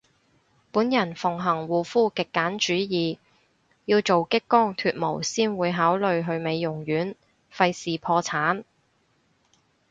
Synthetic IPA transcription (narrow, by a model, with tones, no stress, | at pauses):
puː˨˥njɐ˨˩nfʊ˨˩ŋɦɐ˨˩ŋwuː˨fuː˥kɪ˨kːaː˨˥nt͡ʃyː˨˥jiː˨ | jiː˧wt͡so˨wkɪ˥kːɔː˥ŋt̪ʰyː˧t̚mo˨˩wsiː˥nwuː˨˧jɦaː˨˥wlɵ˨ɥɦɵ˧ɥme˨˧jːʊ˨˩ŋjyː˨˥n | fɐ˧jsiː˨pʰɔː˧t͡sʰaː˨˥n